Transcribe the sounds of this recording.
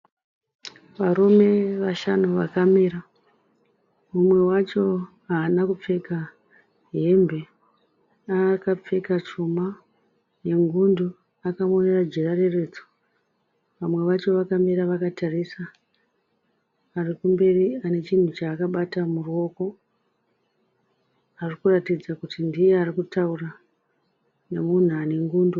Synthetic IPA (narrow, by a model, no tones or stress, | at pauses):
ʋaɾume̞ʋaʃanuʋakameɾa | mumwe̞wat͡ʃo̞ | ɦaːnakup͡fe̞ka | ɦe̞mbe̞ | akap͡fe̞kat͡ʃuma | je̞ŋɡundu | akamonerad͡ʒerarere̞ːd͡zo̥ | ʋamwe̞ʋat͡ʃo̞ʋakambeɾaʋakatʰarisa | rikumbe̞riane̞t͡ʃin̤ut͡ʃaːkaɓatamuruo̞ko̞ | arikuratid͡zakutindijearikutaura | ne̞mun̤uane̞ŋɡuːndu